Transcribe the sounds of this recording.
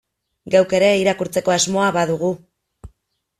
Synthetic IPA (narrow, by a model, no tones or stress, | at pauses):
ɡawke̞ɾe̞iɾakuɾt͡se̞ko̞azmo̞aβaðuɣ̞u